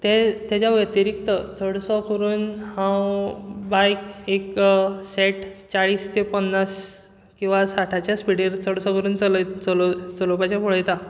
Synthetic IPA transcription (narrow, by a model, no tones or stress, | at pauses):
t̪ɛt̪jat͡ɕjaʋjət̪iɾikt̪ət͡səɽsɔkəɾuːnhãwbajkeksɛʈt͡saɭiːst̪epənːas | kĩw̃ʋasaʈʰat͡ɕjaspiɽeɾt͡səɽsɔkəɾuːnt͡səlt͡sɔlt͡səlopat͡ɕjapoɭəjt̪a